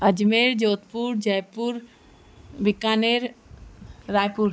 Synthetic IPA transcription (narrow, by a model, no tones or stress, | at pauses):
əd͡ʒmeɾd͡ʒoːt̪puɾd͡ʒəjpuɾ | bikaːneɾ | ɾaːjpuɾ